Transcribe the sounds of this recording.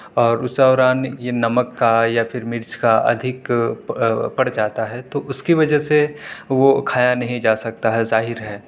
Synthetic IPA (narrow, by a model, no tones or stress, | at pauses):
ɔːɾʊsd̪ɔːɾaːnjenɐməkːajafʰɪɾmɪɾt͡ʃkaɐ̰d̪ʱɪk | pɐɽd͡ʒaːt̪aɦɛt̪oʔʊskiʋɐd͡ʒɛseʋokʰaːjanɐɦĩd͡ʒaːsɐk̚t̪aɦɛzaːɦɪɾɦɛː